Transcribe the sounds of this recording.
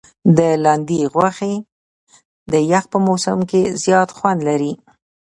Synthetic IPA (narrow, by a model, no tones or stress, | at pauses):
d̪əlɑnd̪iɣwaxe | d̪əjax̚pəmosa̰mkezjɑt̪xwand̪laɾi